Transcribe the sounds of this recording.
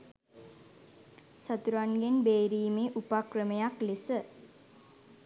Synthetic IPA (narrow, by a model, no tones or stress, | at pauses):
sat̪uɾaŋɡenbeːɾiːmeʔupakrəmejaklesə